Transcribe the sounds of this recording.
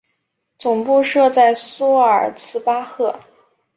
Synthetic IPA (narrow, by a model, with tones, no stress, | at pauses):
t͡sʊ˨˩ŋpu˥˧ʂɤ˥˧t͡sa˥˩ɪsu˥ə˞˨˩t͡sʰɹ̩˥pa˥xɤ˥˩